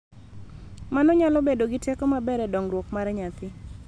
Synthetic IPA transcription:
manɔɲalɔbedoɡitekomabɛɾɛdɔŋɾwokmaɾɛɲat̪ɪ

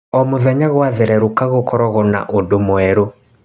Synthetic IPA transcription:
ɔmoðɛɲaɣwaðeɾɛɾukaɣokʰɔɾɔɣɔna̰ʔodomwɛɾo

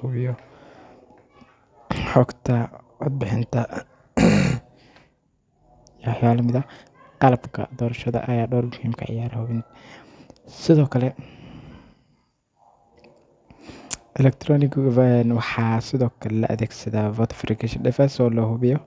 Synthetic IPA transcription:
hʊβɪjɔ | ħɔɡt̪ʰɐʊd̪̚bɪħɪnt̪ʰɐ | ħjaːlɐmɪðɐ | qɑlɐbkʰɐ̰d̪ɔːɾɐʃɐðɐ̰ʔɐjaːɖɔːrmʊhiːmkʰɐ̰ʕɪ̰jaːɾhʊβɪnt̪ɐ̥ | sɪðɔːkʰɐlɛ | ʔɛlɛk̚t̪ʰɾɔːnɪkvɐnwɑħɑːsɪðɔːkʰɐlɛlɐ̰ʔɐ̰ðɛːɡsɐðaːvɔːt̪ʰɐ̥fɾɪkʰɛʃɐɖɛfɛsɔːlɐhʊβɪjɔ

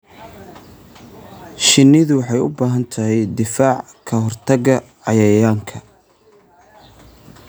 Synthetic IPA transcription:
ʃɪnːɪðʊwɑħɑjʊ̰baːɦɐnt̪ʰɐɦɛjd̪ɪfaːʕ | kʰɐɦɔrt̪ʰɐɣɐʕɑjɐjaːŋkʰɐ

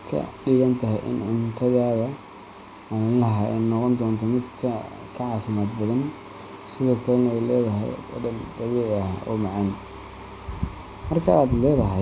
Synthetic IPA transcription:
kʰɐ̰ɖɪɣɐnt̪ʰɐɦɛjʔɪ̰nʕʊnt̪ʰɐðaːðɐ | manɐlɐɦaːʔɛnnːɔqɔnd̪ɔːnt̪ʰɐmɪd̪kʰɐ | kʰɐʕɑːfɪmaːd̪bɐðɐn | sɪðɔːkʰɐlɛnɛjlɛːðɐɦɛ̰jɔ̰dɐnd̪̥ɐβɛːʕɐɦa̰ːʔɔ̰ːmɑʕɑn | mɐrkʰɐaːd̪lɛːðɐɦɛ

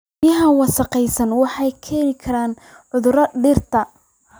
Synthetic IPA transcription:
jɐɦɐwɑsɐqɛjsɐnwɑħɑjkʰɛːnɪkʰɐɾaːn | ʕʊðʊɾɐɖɪrt̪ʰɐ

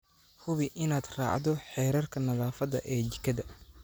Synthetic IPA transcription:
hʊβɪʔɪnaːd̪ra̰ːʕd̪ɔħɛːɾɐrkʰɐnɐðaːfɐðɐ̰ʔɛːt͡ʃɪkʰɐðɐ

